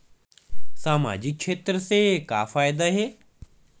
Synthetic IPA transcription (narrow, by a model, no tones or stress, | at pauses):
saːma̰ːd͡ʑɪkːʃʰeːt̪ɾəseka̰ːfaːɪd̪aɦeː